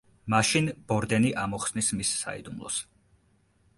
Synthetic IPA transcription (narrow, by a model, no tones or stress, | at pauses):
maʃinb̥ɔɾd̪ɛniʔamɔχsnismisːa̰ḭd̪umlˠɔ̰s